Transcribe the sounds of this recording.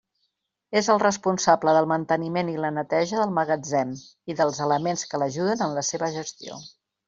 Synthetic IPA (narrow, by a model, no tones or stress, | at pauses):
ezəlˠrəspunsabləðəlˠmənt̪ənimenilənət̪ɛʒəðəlˠməɣəd͡zɛmiðəlˠzələmenskələʒuðənənləseβəʒəst̪io̰